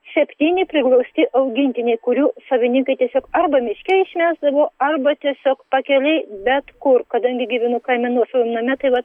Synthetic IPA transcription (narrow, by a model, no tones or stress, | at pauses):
sʲɛpʲt̪ʲiːnʲɪpʲɾʲɪklˠɐʊsʲt̪ʲɪʔɐʊɡʲɪnʲt̪ʲɪnʲɛɪkʊɾʲuːsɐʋʲɪnʲɪŋkɐɪt̪ʲiɛsʲoːkɐɾbɐmʲɪʃʲkʲɛɪʃʲmʲæːzd̪ɐʋoːɐrbɐt̪ʲiɛsʲoːkpɐkʲɛlʲɛɪbʲɛt̪kʊrkɐd̪ɐŋʲɡʲɪɡʲɪʋʲɪnʊkɐɪmʲɛnuɔsɑʋʲoːnɐmʲɛt̪ɐɪʋɐt̪